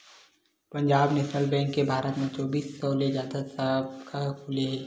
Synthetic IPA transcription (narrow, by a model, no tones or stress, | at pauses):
pɐ̃ɲd͡ʒaːbnɛːʃnəlbɛ̃ːŋkːebʱaːɾət̪mẽt͡ʃɔːbiːsːɔled͡ʒjaːd̪asabkʰakʰʊle